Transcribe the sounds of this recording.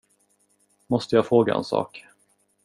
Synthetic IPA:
mɔst̪əjɑːfɾoːɡaʔɛ̰nsɑ̰ːk

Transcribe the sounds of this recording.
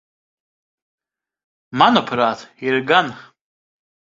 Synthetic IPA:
manopʰratʰirɡan

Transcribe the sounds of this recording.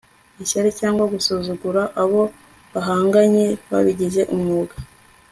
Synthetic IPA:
iʃaɾecaːŋɡwaɡusuzuɡuɾaʔaβo̞ | βaɦaːŋɡaɲe̞βa̰βiɟiʒe̞ʔumŋuːɡa

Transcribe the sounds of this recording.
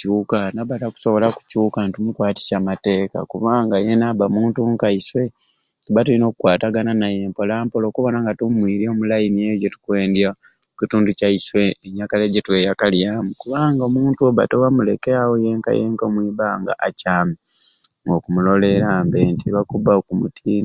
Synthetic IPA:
cuːkanaβataku̥so̞βo̞laku̥cuːkantumukwaːti̥samate̞ːka̰kuβaːŋɡajenaβamuːntuŋkaiswe̞ | tuβatulino̞ːkukwaːtaɡananaje̞ːmpo̞laːmpolo̞ːkuβo̞naŋɡatumwiːɾio̞ːmulajinie̞ɟotu̥kwe̞ːndja | ocituːnducaiswe̞ːɲakaleɟetwe̞ːjakaljaːmukuβaːŋɡaomuːntuoβa̰tewamule̞keawojeŋka̰jḛːŋkomwiːβaŋɡa̰ʔacaːmi | ŋɡo̞kumulo̞le̞ɾaːmbentʰiβakubaokumutʰiːn

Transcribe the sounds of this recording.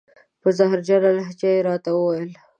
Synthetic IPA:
pəzaɦɾd͡ʒalalaɦt͡ʃɑjeɾɑt̪awəwajəl

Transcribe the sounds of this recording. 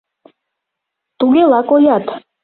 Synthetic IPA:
t̪ʼuɡɛlakʼɔjat̪ʰ

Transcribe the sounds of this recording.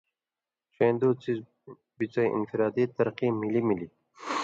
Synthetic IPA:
t͡ɕeːnd̪oːt͡siz | bit͡sɐjʔḭnfiɾɑːd̪it̪ɐɾqiːmilimili

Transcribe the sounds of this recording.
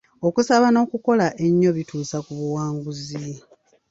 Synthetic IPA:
o̞kusaβano̞ːkuko̞laʔe̞ɲːo̞βituːsakuβuwaːŋɡuzi

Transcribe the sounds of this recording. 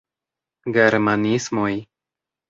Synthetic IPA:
ɡe̞ɾmanismoj

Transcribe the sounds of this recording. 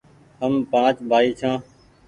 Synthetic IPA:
ɦəmpãːt͡ʃbʱaːiːt͡ʃʰãː

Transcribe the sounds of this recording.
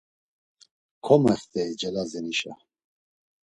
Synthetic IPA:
kʰɔmɛχt̪ʰɛid͡ʒɛlazɛniʃa̰

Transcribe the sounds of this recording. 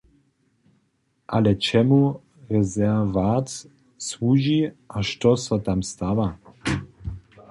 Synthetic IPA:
ʔalɛt͡ʃɛmu | ɾɛzɛvat͡s | swuːʒiʔaʃt̪ɔsat̪amst̪ava

